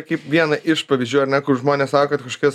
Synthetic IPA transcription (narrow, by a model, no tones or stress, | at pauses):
kɐɪpʋʲiɛnɐʔɪʃpɐʋʲɪzʲd͡ʒʲuːjɐɾnʲɛkʊɾʒmoːnʲeːssɑːkokɐt̪kɐʃkɐs